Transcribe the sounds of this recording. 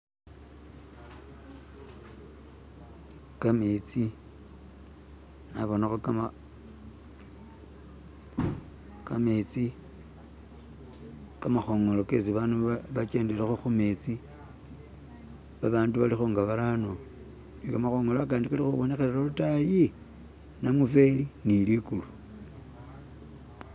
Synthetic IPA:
kamet͡si | naβo̞naxokama | kamet͡si | kamaxo̞ŋo̞lo̞ke̞siβanuβat͡ʃe̞ːnde̞laxuxume̞t͡si | βaβaːnduβalixuːŋɡaβaɾano | nikamaxo̞ŋoloakaːndikalixuβo̞ne̞xeɾelolutaji | namufelinilikulu

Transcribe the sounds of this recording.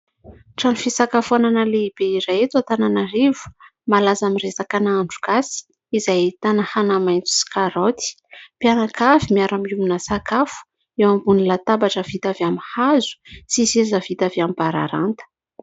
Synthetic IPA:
ʈ͡ʂanufisakafuananəleib̥eiɾaet̪at̪ananarivu̥malazamiresakanaaɳɖ͡ʐu̥ɡasi̥ | izajt̪anahanamajnt͡su̥si̥kaɾot̪i̥ | pjanakavimiaɾamiuminəsakafu̥ | ewambunilat̪abaʈ͡ʂəvit̪avamihazu̥sisezavit̪aveambaɾa̰ɾa̰nt̪ə̥

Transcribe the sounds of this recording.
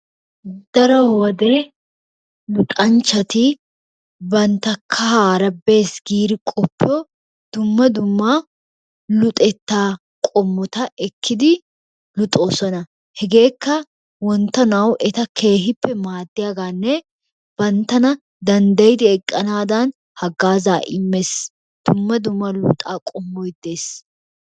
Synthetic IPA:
d̪̥ɐɾɔwɐd̪e | lʊt̪ʼɐnt͡ʃːɐt̪ɪ | bɐnt̪ːɐkʰːɐhaːɾɐbːe̞ːsɡiːɾɪkʼɔpːɪjɔ | d̪̥ʊmːɐd̪ʊmːa | lʊt̪ʼɛt̪ːaː | kʼɔmːɔt̪ɐʔɛkʰːɪd̪ɪ | lʊt̪ʼoːsɐnɐ | hɛɡe̞ːkːɐ | wɔnt̪ːɐnɐwʔɛt̪ɐkʰe̞ːɦɪpːɛmaːd̪ːɪjaːɡaːnːɛ | b̥ɐnt̪ːɐnɐ | d̪ɐnd̪ɐjɪd̪ɪɛkʼːɐnaːd̪ɐn | hɐɡːaːzaːʔɪmːes | d̪̥ʊmːɐd̪ʊmːɐlʊ̰t̪ʼaːkʼɔmːɔjd̪eːs

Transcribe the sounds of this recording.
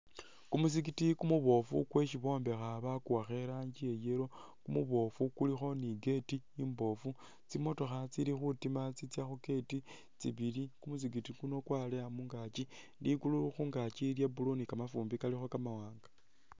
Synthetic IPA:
kumus̬ik̬itikumuβo̞fṵkwe̞ʃiβo̞ːmbe̞xaβakuwaxe̞ɾaɲd͡ʒie̞je̞ɾo̞ | kumuβo̞fukulixo̞niɡe̞ti | imbo̞fu | t͡simo̞to̞xat͡silixutimat͡sit͡sjaxuke̞ti | t͡sḭβilikumus̬ikitikuno̞kwaleamuŋɡat͡ʃi | dikuluxuːŋɡat͡ʃiljabulonikamafuːmbikalixo̞kamawaːŋɡḁ

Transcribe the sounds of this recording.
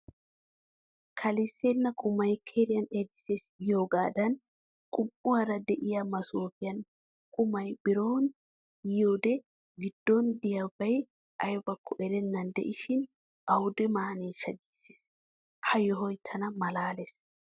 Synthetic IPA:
kʰɐlɪsːenːɐkʼʊmɐjkʰeɾɪjɐned̪ɪ̥seːsjoːɡaːd̪ɐn | kʼʊpʼːʊwɐɾɐd̪ɛʔɪjɐmɐsoːfɪjɐn | kʼʊmɐjbɪɾoːn | joːd̪ɛ | ɡɪd̪̥ːɔnd̪ɪjɐbɐj | ʔɐjbɐkːɔʔɛɾɛnːɐnd̪ɛ̰ʔɪʃɪn | ʔɐwʊd̪ɛmaːniːʃɐɡiːsːe̥ːs | hɐjɔɦɔjt̪ʰːɐnɐmɐlaːles

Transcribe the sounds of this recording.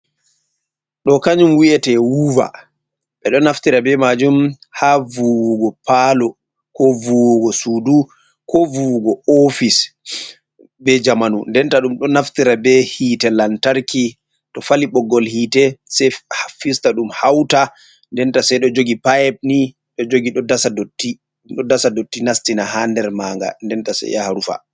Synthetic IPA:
ɗɔkaɲumwiɛtɛwuva̰ | ɓɛɗɔnaftiɾabɛmad͡ʒum | havuwuɡɔpalɔ | kɔvuwuɡɔsudu | kɔvuwɡɔofis | bɛd͡ʒamanundɛntaɗumɗɔnaftiɾabɛhiːtɛlantaɾki | tɔfaliɓɔɡːɔlhiːtɛsɛhafistaɗumhawta | ndɛntasɛɗɔd͡ʒoɡipajɛb̚ni | ɗɔd͡ʒoɡiɗɔdasadotːi | ɗɔdasadotːinastinahandɛɾmaŋɡa̰ndɛntasɛ̰ja̰haɾufa̰

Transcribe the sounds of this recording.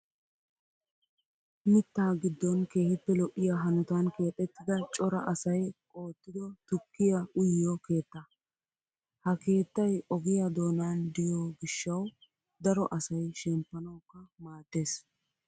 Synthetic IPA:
mɪt̪ːaːɡɪd̪ːɔnke̞ːhɪpːɛlɔʔːɪjaːɦɐnʊt̪ɐnke̞ːt̪ʼːɛt̪ːɪd̪ɐt͡ʃʼɔɾɐʔɐsɐjkʼo̞ːt̪ːɪd̪ɔt̪ʊkːɪjɐʊjjɔke̞ːt̪ːɐ | hɐke̞ːt̪ːɐjɔɡɪjad̪o̞ːnand̪ɪjoːɡɪʃːɐw | d̪ɐɾɔʔɐsɐjʃɛmpːɐnɐwkːɐmaːt̪ːe̞ːs

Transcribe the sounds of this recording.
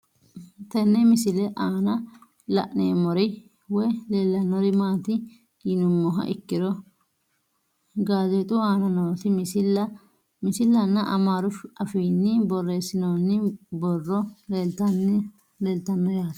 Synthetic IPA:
t̪ɛnːɛmɪsɪlɛʔaːnɐ | lɐ̰ʔneːmɔɾɛ | wɔjleːlːɐnɔɾɪmaːt̪ɪ | inʊmːɔɦɐ̰ʔɪ̰kːɪɾɔ | ɡaːzɛt̪ʼʊaːnɐnoːt̪ɪmsɪlɐ | mɪsɪlːɐnːɐʔɐ̰maːɾʊfɐfiːnːɪbɔrːeːsːɪnoːnːɪbɔrːɔleːlt̪ɐnːɪ | leːlt̪ɐnːɔjaːt̪

